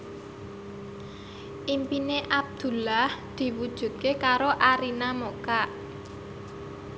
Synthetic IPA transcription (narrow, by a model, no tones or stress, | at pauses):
ʔimpineʔab̚d̪̥ṳlahd̪̥i̤wud̥ʒ̥ṳt̪̚kekaɾoʔaɾinamokaʔ